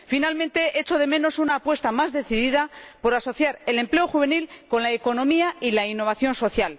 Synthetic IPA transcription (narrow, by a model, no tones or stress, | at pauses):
finalmẽ̞nt̪e̞ʔe̞t͡ʃo̞ð̞e̞mẽ̞no̞sunaːpwe̞st̪amazðe̞θiðiðapo̞ɾaso̞θjaɾe̞le̞mple̞oxuβe̞nilko̞nlaeko̞nõ̞miailainːo̞β̞aθjo̞nso̞θjal